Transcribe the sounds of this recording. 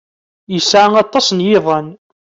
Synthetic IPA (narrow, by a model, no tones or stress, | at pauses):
jəsʕaŋɑt̪ˤːɑsnjɪðˤən